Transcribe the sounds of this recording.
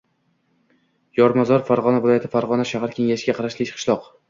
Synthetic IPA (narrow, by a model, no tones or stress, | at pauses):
jɒɾmazɒɾfaɾʁɒnavɪlˠɒjat̪ʰɪfaɾʁɒnaʃahaɾkʲʰe̞ŋaʃɪɡʲaqʰɑɾaʃlɪkqʰɨ̥ʃlˠɒq